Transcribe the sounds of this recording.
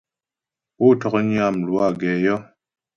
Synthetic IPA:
u˦˨tɔ˨kɲi˦a˨m˨lwa˦˨ɡɛ˨jɔ˦

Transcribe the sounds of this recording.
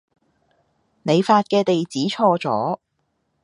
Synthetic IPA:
ne˨˧jfaː˧t̚kɛː˧t̪e˨jt͡siː˨˥t͡ʃʰɔː˧t͡sɔ̰ː˨˥

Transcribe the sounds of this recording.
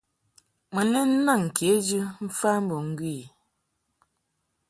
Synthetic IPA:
mə˨ne˦n̩˦na˦˨ŋ̩˨ke˨˦d͡ʒɨ˦m̩˦fa˦m̩˦bo˨ŋ̩˦ɡwi˦˨

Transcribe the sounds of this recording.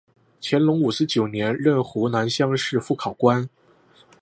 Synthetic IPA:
t͡ɕʰjɛ˧˥nlʊ˧˥ŋu˨˩sɹ̩˥˧t͡ɕjo˨˩ʊnjɛ˧˥nɻə˥˩nxu˧˥na˧˥nɕjɑ˥ŋʂɻ̩˥˧fu˥˩kʰɑ˨˩ʊkwa˥n

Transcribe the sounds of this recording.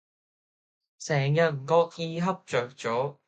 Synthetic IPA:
sɛː˨˩ŋjɐ˨t̚m̩˨˩kɔː˧k̚jiː˧ɦɐ˥p̚t͡ʃœː˨k̚t͡ʃɔː˨˥

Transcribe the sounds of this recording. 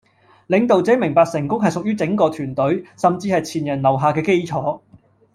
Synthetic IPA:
lɪ˨˧˥ŋt̪o˨wt͡sɛː˨˥mɪ˨˩ŋpaː˧k̚sɪ˨˩ŋkʊ˥ŋɦɐ˨jsʊ˨k̚jyː˥t͡sɪ˨˥ŋkɔː˧t̪ʰyː˨˩nt̪ɵ˨˥ɥsɐ˨mt͡siː˧hɐ˨jt͡sʰiː˨˩njɐ˨˩nlɐ˨˩wɦaː˨˩kɛː˧ke˥jt͡sʰɔː˨˥

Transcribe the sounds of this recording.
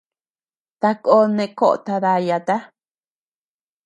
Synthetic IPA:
t̪a˧ko˧˦nẽ˧ko˦ʔo̰˨t̪a˧ða˧ja˧t̪a˦

